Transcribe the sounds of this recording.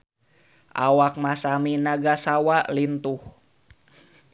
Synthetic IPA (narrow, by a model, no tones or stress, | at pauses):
ʔa̰wak̚masaminaɡasawaʔlint̪uh